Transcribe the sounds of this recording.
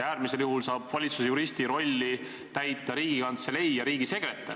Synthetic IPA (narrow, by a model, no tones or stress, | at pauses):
æːɾmise̞ljuhulsɑːb̥vɑlʲit̪susejuɾist̪iɾo̞lʲːi | t̪æjt̪ːˑɑɾiːɡ̥ikɑnt̪se̞le̞jɑɾiːɡ̥ise̞ɡ̥ɾet̪ˑːe